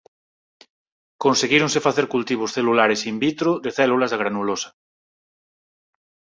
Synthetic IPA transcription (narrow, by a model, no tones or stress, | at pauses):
konseɣiɾoŋsefaθeɾkult̪iβ̞osθelulaɾesimbit̪ɾoðeθɛlulazðaɣɾanulosḁ